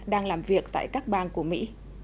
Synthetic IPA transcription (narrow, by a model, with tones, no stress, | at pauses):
ɗaː˧ŋlaː˨˩mvi˨˩ək̚t̪a̰ː˧˨jkaː˦˥k̚ɓaː˧nku˧˩əmḭ˧˥